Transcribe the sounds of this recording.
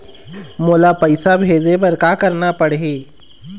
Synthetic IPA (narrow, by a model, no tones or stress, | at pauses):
moːlapəɪsabʱeːd͡ʒep̬ɐɾkaːkɐɾnapɐɽeː